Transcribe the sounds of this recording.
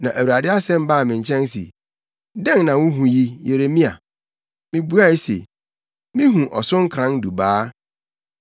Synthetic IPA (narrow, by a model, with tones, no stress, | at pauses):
nã˨ʔæ˨wu˨ɾa˨dɪ˦a˦sɛ̃˦m˦ba˦˨mɪ̃˨ɲ˨t͡ɕʰɛ̃˦nsḛ˨ | dɛ̃˦ŋnã˨wʊ̃˦ɦũ˨ji˦je˨ɾe˨mĩ˦a̰˨ | mɪ̃˦bu˦a˦˨˦sḛ˨ | mɪ̃˦ɦũ˨ʔɔ˨sʊ̃˦ŋ̩˦kʰɾã˨˦n˦du˨baː˦